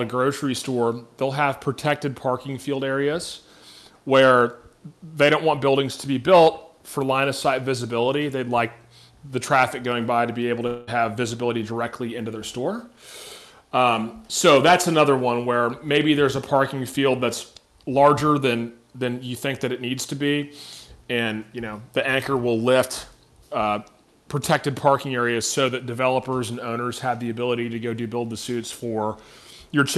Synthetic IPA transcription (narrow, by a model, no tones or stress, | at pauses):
ɾɨɡɹoʊt͡ʃɹ̥istɔɹðeɪlˠəv̥pʰɹ̥ɨtʰɛk̚tɨd̚pʰɑɹkɪ̃ŋfilˠdɛɹiɨz̥ | wə˞ | ðeɪɾõʊ̃nʔwɑ̃nb̥ɪlˠdɪ̃ŋz̥tʰəbibɪlˠt̚ | fə˞lãɪ̃nɨsaɪdvɪzɨbɪlˠəɾiðeɪdˡlaɪk̚ | ðɨtʰɹ̥æfɨk̚ɡ̥oʊɪ̃ŋbaɪɾɨbieɪbl̩ˠtʰəɨvːɪzɨbɪlˠəɾidə˞ɛk̚tʰˡliɪ̃ntʉðə˞stɔɹ | soʊðætsɨnʌðə˞wʌ̃nwə˞meɪbiðə˞zəpʰɑɹkɪ̃ŋfilˠd̪̚ðæts | lɑɹd͡ʒə˞ðɨ̃n | ðɨ̃njɨθɪ̃ŋk̚ðɨɾɨtⁿnidz̥tʰɨbi | ɨ̃njɨñoʊðiæ̃ŋkə˞wɪlˠlɪft | pʰɹ̥ɨtʰɛk̚tɨd̚pʰɑɹkɪ̃ŋɛɹiɨz̥soʊðɨt̚d̥ɨvɛlˠəpə˞zɨ̃nõʊ̃nə˞z̥əvðiɨbɪlˠəɾiɾɨɡoʊɾɨbɪlˠd̪̚ðɨsʉtsfə˞jə˞t͡ʃ